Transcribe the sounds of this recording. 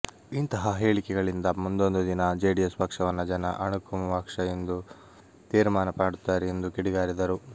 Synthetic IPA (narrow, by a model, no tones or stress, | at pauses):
int̪ɐɦɐɦe̞ːɭikɛɡɐɭind̪ɐmund̪o̞nd̪ud̪inɐd͡ʒeːɖiespɐkʂɐʋɐnːɐd͡ʒɐnɐ̰ʔɐɳukumɐʋakʂɐjend̪u | t̪iːɾmaːnɐpaːɽut̪ːaːɾɛend̪ukiɽiɡaːɾid̪ɐɾu